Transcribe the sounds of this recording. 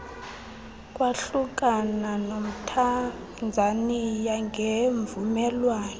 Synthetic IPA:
kʼwaɬuk̬ʼananom̩tʰa | nd͡zʱanijaŋʱeɱvumɛlwaːnɛ

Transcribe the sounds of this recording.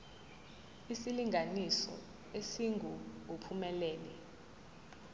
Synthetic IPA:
isiliŋɡʱanisɔ̰ | esiŋɡʱuupʰumɛlɛːnɛ

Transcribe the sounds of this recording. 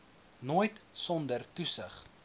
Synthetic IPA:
noːjtsɔndərtusəχ

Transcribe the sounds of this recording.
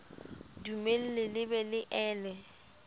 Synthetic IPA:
dumel̩lɪlɪbɛlɪʔɛːlɛ

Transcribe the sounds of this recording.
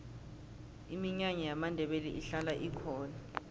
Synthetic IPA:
imiɲaŋɛjamandʱɛɓeliʔiɬalaʔikʰɔːna

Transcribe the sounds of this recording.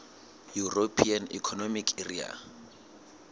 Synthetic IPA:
juropʰianḭkʰɔnomikʰeria̰

